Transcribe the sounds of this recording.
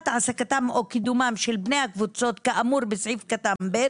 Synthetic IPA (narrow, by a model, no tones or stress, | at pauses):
t̪ʕasakat̪amokid̪umamʃelbne̞jhakvut͡so̞t̪kaʔamuɾbesʕifkat̪ambe